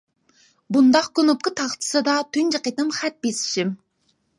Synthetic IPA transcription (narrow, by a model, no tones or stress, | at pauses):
bund̪ɑq̚konup̚kət̪ʰɑχt̪ʰɨ̥sɨd̪ɑt̪ʰynd͡ʒɨqet̪ɨmχæt̪̚besɪ̥ʃim